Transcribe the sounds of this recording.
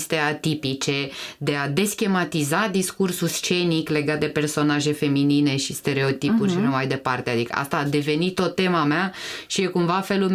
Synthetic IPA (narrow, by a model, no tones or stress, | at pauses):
st̪e̞at̪ipit͡ʃe̞d̪e̞ad̪e̞skʲe̞mat̪izad̪iskursulst͡ʃe̞nikle̞ɡat̪̚d̪e̞pe̞rso̞naʒe̞fe̞minine̞ʃist̪e̞ɾe̞o̞t̪ipuʃinumajd̪e̞part̪e̞ad̪ikə̰ʔa̰st̪aːd̪e̞ve̞nit̪ːo̞t̪ːe̞mameaʃije̞kumvafe̞lulm